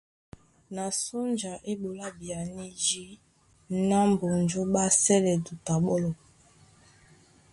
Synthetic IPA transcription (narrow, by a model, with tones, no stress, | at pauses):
na˨su˦nd͡ʒa˨ʔe˦ɓo˨la˦bi˨a˨ni˦d͡ʒi˦ | na˦m˨bo˨nd͡ʒu˦ɓa˦sɛ˦lɛ˨du˨ta˨ɓɔ˦lɔ˨